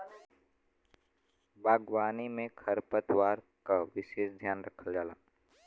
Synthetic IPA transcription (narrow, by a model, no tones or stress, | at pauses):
baːɡwaːnimẽkʰəɾpət̪waːɾ | kaʋɪʃeːʃd̪ʱjaːnɾəkʰəld͡ʒaːla̰ː